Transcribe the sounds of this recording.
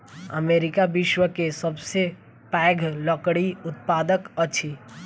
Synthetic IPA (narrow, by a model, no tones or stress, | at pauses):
ə̰meːɾɪkaʋɪʃwəkesəbse | pɛːɡʱləkɽiʊt̪̚paːd̪əkəːt͡ʃʰi